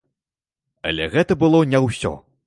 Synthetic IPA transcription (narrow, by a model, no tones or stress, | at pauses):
ɐ̰lʲɛɣɛt̪ɐbɨlˠɔnʲɛwsʲɔ̰